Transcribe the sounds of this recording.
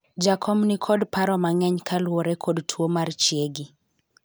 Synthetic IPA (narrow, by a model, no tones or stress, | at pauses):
d͡ʒakʰɔmnikʰɔdpaɾɔmaŋɛɲkʰalwoɾɛkʰɔdtʰwomart͡ʃieɡi